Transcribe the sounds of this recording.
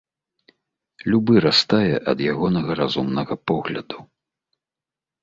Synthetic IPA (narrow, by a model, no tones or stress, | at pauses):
lʲubɨɾast̪ajɛʔɐ̰d̪jaɣɔnɐɣɐɾazumnɐɣɐpɔɣlʲɐ̰d̪u